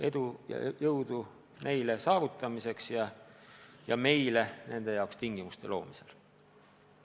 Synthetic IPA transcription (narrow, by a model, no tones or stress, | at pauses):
e̞d̪̥ujɑ̰jɤwd̪̥u | ne̞jle̞sɑːvut̪ːˑɑmise̞ksjɑ | jɑme̞jle̞ne̞nd̪e̞jɑwkst̪iŋɡ̥imust̪e̞lo̞̰ːmisel